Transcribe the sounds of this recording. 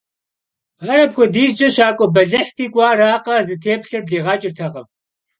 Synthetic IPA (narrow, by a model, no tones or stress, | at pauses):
ɐɾɐpxʷɔdiːzd͡ʒɐɕaːkʷʼɔbɐɮɐħtʰiːkʷʼɑːraːqɐzɨtʰeːpɬɐrɮeːʁɑːt͡ʃʼɪrtʰɐʁɐm